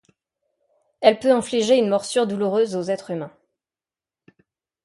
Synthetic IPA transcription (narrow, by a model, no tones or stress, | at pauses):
ɛlpøɑ̃fliʒeynmɔʁsyʁd̪uluʁøzozɛt̪χymɛ̃